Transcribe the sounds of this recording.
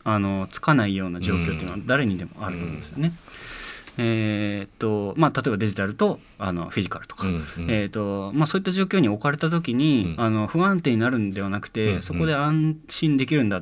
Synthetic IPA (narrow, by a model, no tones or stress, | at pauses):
ano̞t͡sɨ̥kanaijo̞ːnad͡ʑo̞ːkʲo̞t̪eiːnoad̪aɾe̞ɲ̟id̪e̞mo̞̰a̰ɾɯ̟t̪omõ̰nd̪esɨjone̞ | et̪ːo̞mat̪at̪o̞e̞bad̪e̞ʑit̪aɾɯ̟t̪o̞ | ano̞̰ɸʲiʑikaɾɯ̟t̪o̥kḁet̪ːo̞masoːit̪ːaʑo̞ːkʲo̞ːɲ̟io̞kaɾe̞t̪at̪̬o̞kʲiɲ̟iano̞ɸɯ̟ãnt̪e̞ːɲ̟inaɾɯ̟̃nd̪e̞β̞anakɯ̟̥t̪e̞so̞ko̞d̪e̞ãɰ̃ɕĩnd̪e̞k̬ʲiɾɯ̟̃nd̪a